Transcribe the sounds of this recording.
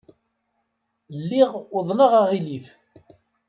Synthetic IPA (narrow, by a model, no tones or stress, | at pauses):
lːiʁʊðˤnəʁaʁilif